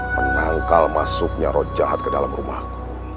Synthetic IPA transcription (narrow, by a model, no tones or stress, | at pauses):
mənaŋkalmasʊk̚ɲaɾɔd͡ʒaɦat̪̚kədalamrumahku